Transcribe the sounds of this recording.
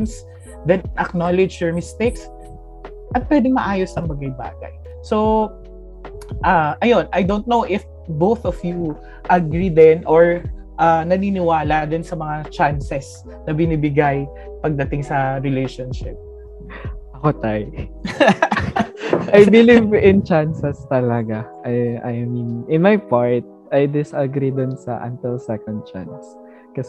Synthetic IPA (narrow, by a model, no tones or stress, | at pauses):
ns | d̪ɛnʔɐknolɛd͡ʒjɔɹmɪst̪ejks | ʔɐt̪̚pwɛːd̪ɪŋmɐʔaːjosɐŋbɐɡɐjba̰ːɡɐ̰j | so | ʔaʔɐjonʔɐjd̪ownt̪̚nowʔɪf | bowθɔfju | ʔɐɡɾid̪ɛnʔɔɹ | ʔanɐninɪwaːlɐd̪ɪnsɐmɐŋat͡ʃansɛs | nɐbɪnibɪɡaj | pɐɡ̚d̪ɐt̪ɪŋsɐɾɪlejʃonʃɪp̚ | ʔɐkot̪aj | ʔajbɪlivɪnt͡ʃansɛst̪ɐlɐɡaʔɐjʔajnnɪnmajpaɹt̪̚ʔajd̪ɪsɐɡɾid̪ʊnsɐ̰ʔɐ̰nt̪ɪlsɛkɔnd̪̚t͡ʃa̰ns | kɐs